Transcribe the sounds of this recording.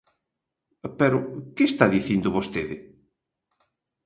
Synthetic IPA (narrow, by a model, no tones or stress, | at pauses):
pɛɾʊkɪst̪aðiθind̪ʊβost̪eðɪ